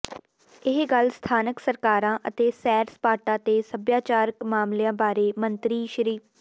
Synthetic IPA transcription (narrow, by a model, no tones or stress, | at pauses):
ɪɦɡəlst̪ʰaːnəksəɾkaːɾãːʔət̪eːsɛːɾspaːʈãːt̪eːsəbjaːt͡ʃaːɾkmaːmlɪjãːbaːɾeːmənt̪ɾiːʃəɾiːf